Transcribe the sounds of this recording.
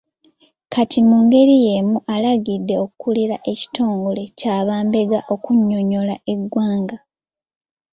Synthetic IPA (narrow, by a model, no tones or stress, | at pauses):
kʰatimuŋɡe̞ɾije̞muʔalaɡidːe̞o̞kukuliɾaʔe̞ci̥to̞ːŋɡole̞caːβaːmbe̞ɡaʔo̞kuɲːo̞ɲo̞lae̞ɡwaːŋɡa